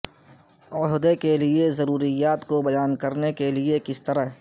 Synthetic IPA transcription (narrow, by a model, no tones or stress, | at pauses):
ɔɦd̪ekelɪezɐɾuːɾijaːt̪kobɐjaːnkɐɾnekelɪekɪst̪ɐɾaɦɛ